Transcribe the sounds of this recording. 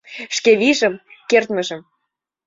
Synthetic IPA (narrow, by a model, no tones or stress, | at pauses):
ʃkeβiʒəmkert̪mə̆ʒə̆m